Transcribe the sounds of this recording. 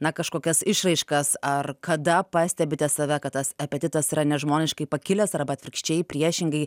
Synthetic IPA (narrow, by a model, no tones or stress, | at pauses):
nɐkɐʃkoːkʲɛsɪʃrɐɪʃkɐsɐrkɐd̪ɐpɑːsʲt̪ʲɛbʲɪt̪ʲɛsɐʋʲɛkɐt̪̚t̪ːɐsɐpʲɛt̪ʲɪt̪ɐsiɾɐnʲɛʒmoːnʲɪʃkɐɪpɐkʲɪlʲɛsɐrbɐt̪ʲʋʲɪɾʲkʃʲt͡ʃʲɛɪjpʲɾʲiɛʃʲɪŋɡɐɪ